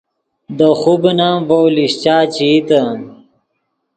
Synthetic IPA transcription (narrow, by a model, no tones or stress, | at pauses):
d̪əxubnamvowliɕt͡ɕaːt͡ɕit̪a